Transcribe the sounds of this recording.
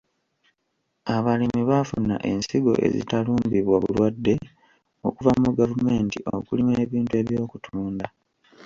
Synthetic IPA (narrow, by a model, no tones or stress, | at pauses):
aβalimiβafuna̰ʔe̞nsiɡo̞̰ʔe̞̰zḭtaluːmbiβwaβṵlwadːe̞ | o̞̰kuvamuɡavume̞ːntiʔokulimeːβiːntue̞βjo̞ːkutʰuːnda